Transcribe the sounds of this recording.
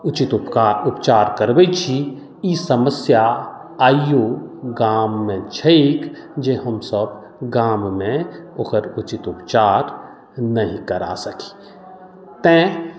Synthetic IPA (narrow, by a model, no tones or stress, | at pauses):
ʊt͡ʃɪt̪ʊpaʊpt͡ʃaːɾkəɾʋet͡ʃʰi | iːsəməsja | aːijoɡaːmːẽt͡ʃʰeeːkd͡ʒẽɦəmsəb | ɡaːmmẽokəɾʊt͡ʃɪt̪ʊpt͡ʃaːɾ | nɐɦĩkəɾa̰ːsəki̥ | t̪ẽ